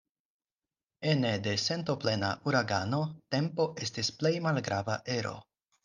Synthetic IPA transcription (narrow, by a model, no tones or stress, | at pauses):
e̞ne̞de̞se̞nto̞ple̞na̰ʔuɾaɡano̞te̞mpo̞ʔe̞stisple̞jmalɡɾava̰ʔe̞ɾo̞̰